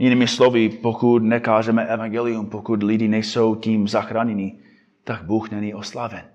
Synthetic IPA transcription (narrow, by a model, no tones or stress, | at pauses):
jɪniːmɪslovɪpokut̪nɛkaːʒɛmɛʔɛvaŋɡɛlɪjumpokut̪lɪdinɛjsowciːmzaxɾaːɲɛni | t̪aɡ̚buːxnɛɲiʔoslaːvɛn